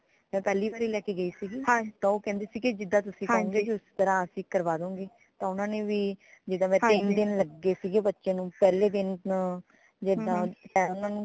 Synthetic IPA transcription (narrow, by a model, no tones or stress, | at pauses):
mɛ̃ːpɛːliːbaːɾiːlɛːkiːɡəiːsiːɡiːat̪ãːoːkɛ̃ːnd̪eːsiːkid͡ʒɪd̪ãːt̪̬ʊsĩːəõːɡeːd͡ʒiʊst̪əɾãːəsĩːkəɾʋaːd̪õːŋɡeː | t̪ãːʊnãːneːʋiːd͡ʒɪd̪ãːmɛ̃ːt̪ɪnd̪ɪnləɡːeːsiːɡeːbətːʃjãːnũːpɛːleːd̪ɪn | d͡ʒed̪ãːt̪ɛ̃ːʊnãːnũː